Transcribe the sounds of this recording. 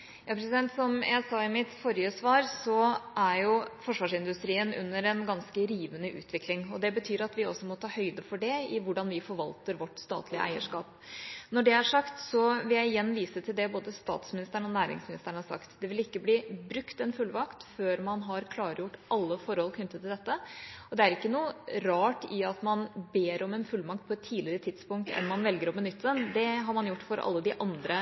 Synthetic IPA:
jɑːpʰɾɛsɪd̪ɛnt̪sɔmjæɪsɑːɪmɪt̪fɔɾjəsʋɑːɾsɔæɾjʊfɔʂʋɑːʂɪnd̪ʉst̪ɾiːənʉ̰nːəɾɛnɡɑnskəɾiːʋənəʔʉ̰ːt̪ʰʋɪklɪŋɔd̪ɛbət̪ʰyːɾɑt̪ʋɪɔ̰sɔmɔt̪ʰɑːhœʏd̪əfɔɖɛɪʋʊɖɑnʋɪfɔɾʋɑlt̪əɾʋɔʈːst̪ɑ̰ːt̪ʰlɪə̰ʔæ̰ɪə̰ʂkɑ̰ːp | nɔɖɛæʂɑkt̪sɔʋɪljæɪɪjɛnːʋiːsət̪ʰɪld̪ɛboːd̪əst̪ɑ̰ːt̪smɪnɪst̪əɳəɔnæːɾɪ̰ŋsmɪnɪ̰st̪əɳəɑʂɑ̰kt̪d̪ɛʋɪlɪkːəbliːbɾʉkt̪ɛnfʉlːʋɑkt̪føːɾmɑnɦɑɾkʰlɑːɾəjʊʈːʔɑlːəfɔɾhɔlkʰʉnt̪ət̪ʰɪld̪ɛt̪ːəɔd̪ɛæɾɪkːənuːəɾɑːʈɪɑt̪mɑnbeːɾɔmɛnfʉlːmɑkt̪̚pʰɔɛt̪ʰːiːlɪɾət̪ʰɪd̪spʊŋkt̪ʰɛ̰nmɑnʋɛlɡəɾɔmːənʏt̪ːənd̪ɛɦɑɾmɑnjʊʈːfɔɾʔɑ̰lːəd̪ɪʔɑnd̪ɾə

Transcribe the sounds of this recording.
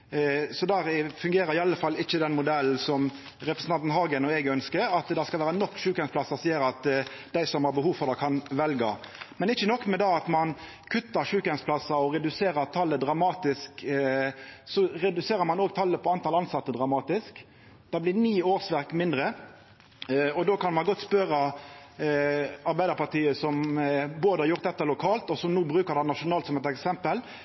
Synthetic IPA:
sɔd̪æːɾfʉŋɡeːɾəɾɪɑlːəfɑlɪçːəd̪ɛnmʊd̪ɛln̩sɔm | ɾɛpɾsnɑnt̪nɦɑːɡənɔɛːɡœnskəɑt̪d̪æskɑlʋæːɾənɔkːʃʉːkɛnspʰlɑsɑsiːəɾɑt̪d̪̥æɪsɔmhɑɾbəhuːʋfɔɾd̪ɑkʰɑnʋɛlɡɑmɛnɪçːənɔkːmɛd̪ɑɑt̪mɑn | kʰʉt̪ːəɾʂʉːkɛŋspʰlɑsɑɔɾɛd̪ʉseːɾəɾt̪ʰɑlːəd̪ɾɑmɑːt̪ɪsk | sɔɾɛd̪ʉseːɾəɾmɑnoːɡ̚t̪ʰɑlːəpʰɔɑnt̪ʰɑlɑnsɑt̪ːəd̪ʁɑmɑːt̪ɪsk | d̪̥ɑblɪniːoːɾsʋæʁkmɪnd̪ʁə | ɔd̪oːkɑnmɑnɡɔt̪ːspøɾə | ɑɾbæɪd̪əɾpɑt̪iːəsɔmboːd̪əhɑɾjʊʁt̪̚d̪ɛt̪ːɑlʊkʰɑːlt̪ɔsɔmnuːbɾʉːkəɾd̪ɑnɑʂʊnɑːlt̪sɔmɛt̪ɛksɛmpəl

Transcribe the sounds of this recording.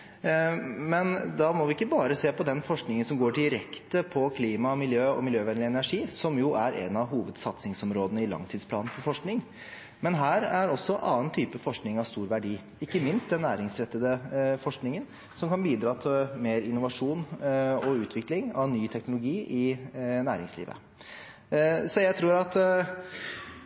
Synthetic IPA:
mɛnd̪ɑmɔʋɪɪkːəbɑːɾəseːpʰɔd̪ɛnfɔʂknɪŋənsɔmɡoːɖɪɾɛkt̪əpʰɔkʰliːmɑmɪljøːɔmɪljøːʋɛnlɪɛnæʂiːsɔmjʊʔæɾʔɛ̰nɑɦuːʋəd̪sɑt̪sɪŋsɔmɾoːd̪ənəɪlɑ̰ŋt̪ʰiːd̪spʰlɑːnfɔɾfɔʂknɪŋ | mɛnɦæːɾæɾɔsːɔʔɑ̰ːənt̪ʰyːpəfɔʂknɪŋɑʋst̪uːɾʋæɖiː | ɪkːəmɪnst̪̚d̪ɛnːæːɾɪŋsɾɛt̪ːəd̪əfɔʂknɪŋən | sɔmkɑnbiːd̪ɾɑːt̪ʰɪlmeːɾɪnːʊʋɑʂuːnɔʉːt̪ʰʋɪklɪŋɑʋnyːt̪ʰɛknʊlʊɡiːʔɪnæ̰ːɾɪ̰ŋslḭːʋə̰ | sɔjæɪt̪ʰɾuːɾɑt̪

